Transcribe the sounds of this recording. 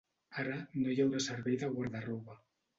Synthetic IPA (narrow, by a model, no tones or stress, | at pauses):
aɾanojawɾasaɾβejðaɣwaɾðaruβa